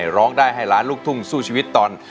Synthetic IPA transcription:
jɾɔː˦˥ŋdaː˥˩jɦa˥˩jɾaː˦˥nluː˥˩k̚t̪ʰu˥˩ŋsuː˥˩t͡ɕʰiː˧i˦˥t̪ːɔː˧n

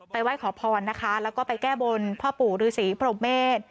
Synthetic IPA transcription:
pa˧jwa˦˥˩jkʰɔː˩˦pʰɔː˧nːa˦˥kʰa˦˥lɛː˦˥wkɔː˥˩pa˧jkɛː˥˩bo˧npʰɔː˥˩puː˨˩ɾɯː˨˦siː˩˦pʰɾoː˧mːeː˥˩t̪̚

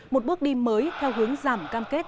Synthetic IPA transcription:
mo˨˩t̚ɓɨ˦˥k̚ɗi˧mːəː˨˦jt̪ʰɛ˧wɦɨ˨˦əŋzaː˧˩mkaː˧mke˦˥t̚

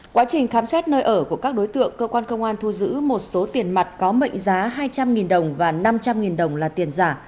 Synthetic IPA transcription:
kwaː˨˦t͡ɕï˨˩ŋ̟xaː˨˦msɛ˦˥t̚nəː˧jʔəː˧˩ku˧˩əkaː˦˥k̚ɗo˨˦jt̪ɨ̰˧˨əŋkəː˧kwaː˧nkə˧wŋ͡mʔaː˧nt̪ʰu˧zɨ̰˧˥mo˨˩t̚so˨˦t̪i˨˩ənma˨˩t̚kɔ˨˦mə̰˧˨jŋ̟zaː˨˦ɦaː˧jt͡ɕa˧mŋi˨˩nɗə˨˩wŋ͡mvaː˨˩na˧mt͡ɕa˧mŋi˨˩nɗə˨˩wŋ͡mlaː˨˩t̪i˨˩ənzaː˧˩

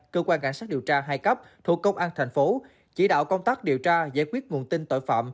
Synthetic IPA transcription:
kəː˧kwaː˧nka̰˧˩jŋsaː˦˥t̚ɗi˨˩wt͡ɕaː˧ɦaː˧jkə˦˥p̚t̪ʰu˨˩əkːə˧wŋ͡mʔaː˧nt̪ʰa˨˩ŋ̟fo˨˦ | t͡ɕḭ˧˩˦ɗa̰ː˧˨wkə˧wŋ͡mt̪aː˦˥k̚ɗi˨˩əwt͡ɕaː˧za̰ː˧˥jkwi˦˥ət̚ŋu˨˩ənt̪ï˧nt̪o̰˧˨jfa̰ː˧˨m

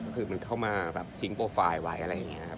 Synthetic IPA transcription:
kɔː˥˩kʰɯː˧ma˧nkʰa˥˩wmaː˧bɛ̰ː˨˩p̚t̪ʰi˦ŋpoː˧faː˧jwa˨˩jʔa˧ɾa˧jːa˨˩ŋi˦˥ɐkʰp̚

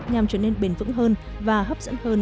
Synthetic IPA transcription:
ɲa˨˩mt͡ɕəː˧˩ne˧nɓe˨˩nvɨ̰˧˥ŋɦəː˧n | vaː˨˩ɦə˦˥p̚z̥ə̰˧˥nhəː˧n

